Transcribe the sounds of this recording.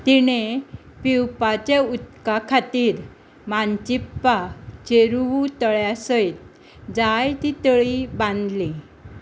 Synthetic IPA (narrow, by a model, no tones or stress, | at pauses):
t̪iñe | piwpat͡ɕeut̪kakʰat̪iːɾ | mant͡ɕipːat͡ɕeɾut̪əɭjasəjt̪̚ | d͡zajt̪it̪əɭibãnd̪li